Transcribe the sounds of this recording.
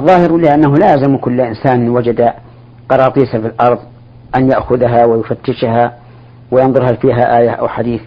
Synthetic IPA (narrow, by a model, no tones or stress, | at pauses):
ʔɑðˤːɑːhɪɾlɪʔanːaɦʊlaːjalzamkʊlːʔɪnsaːnwad͡ʒad̪a | qɑɾˤɑːt̪ˤiːsafilʔɑɾˤðˤ | ʔanjaʔxʊðaɦawɪjʊfat̪ːɪʃɦa | wɪjɑnðˤʊɾhafiːɦaʔaːjaʔa̰wħad̪iːθ